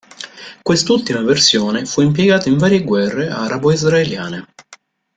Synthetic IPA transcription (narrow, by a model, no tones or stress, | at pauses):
kwest̪ult̪imaversjoːnefuimp̬jeɡaːt̪aiɱvaːɾjeɡwɛrːea̰ɾaboizraeljaːne